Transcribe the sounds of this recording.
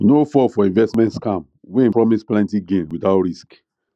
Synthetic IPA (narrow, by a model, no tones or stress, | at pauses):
nofɔfɔĩnvɛstmɛ̃ntskãm | wɛ̃pɹɔmisplãntĩɡẽnwitaʊtɾisk